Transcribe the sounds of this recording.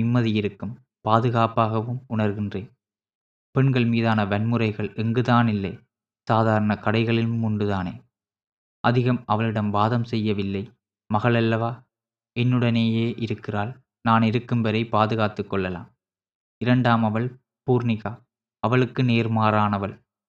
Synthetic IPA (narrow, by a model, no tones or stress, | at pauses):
ɪmːɐðɪjɪɾɯkːɯm | paːðɯɣaːpaːɣɐʋɯmʊɳɐɾɣɪndreː | pɛɳɡɐɭmiːðaːnɐʋɐɳmɯrɐɪɣɐɭɛŋɡɯðaːnɪlːɐɪ | saːðaːɾɐnɐkɐɽɐɪɣɐɭɪlɯmʊɳɖɯðaːneː | ʔɐðɪɣɐmɐʋɐɭɪɽɐmʋaːðɐmsɛjːɐʋɪlːɐɪ | mɐɣɐɭɛlːɐʋaː | ɛnːɯɽɐneːjeːʔɪɾɯkːɪraːl | naːnɪɾɯkːɯmbɛɾɐɪpaːðɯɣaːt̪ɯkːɔɭːɐla̰ːm | ɪɾɐɳɖaːmɐʋɐɭ | puːɾnɪɣaː | ɐʋɐɭɯkːɯneːɾmaːɾaːnɐʋɐɭ